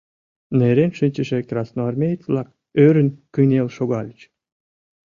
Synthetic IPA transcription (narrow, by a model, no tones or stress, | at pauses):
neɾenʃɨnʲt͡ɕə̆ʃek̪rɑsnoɑrmʲejət͡sβlɑk̚ | øɾənkəjnelʃoɣɑlʲət͡ɕ